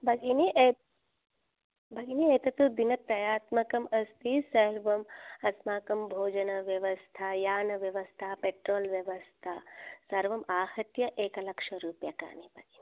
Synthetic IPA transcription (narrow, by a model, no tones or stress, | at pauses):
bʱɐɡinie | bʱɐɡinieːt̪ɐt̪ud̪inɐɾɐjaːt̪mɐkɐmɐst̪isɐɾɾʋɐmɐsmaːkɐmbʱoːd͡ʒɐnɐʋjɐʋɐst̪ʰajaːnɐʋjɐʋɐst̪ʰaːpeʈɾoːlʋjɐʋɐst̪ʰasɐɾʋɐmaːhɐt̪jɐʔeːkɐlɐkʂɐɾuːpjɐka̰ːnipɐɡini